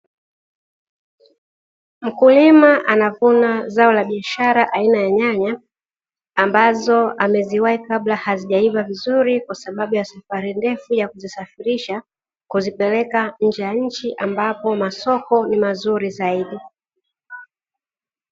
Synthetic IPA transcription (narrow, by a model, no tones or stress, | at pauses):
m̩kulimaʔanavunazaɔlaɓiaʃaɾaʔainajaɲaɲaː | mbazɔamɛziwaikablahaziʄaivavizuɾikwasaɓaɓujasafaɾindɛfujakuzisafiɾiʃa | kuzipɛlɛkaɲ̩d͡ʒɛjaɲ̩t͡ʃiʔambapɔmasɔkɔnimazuɾizaiɗi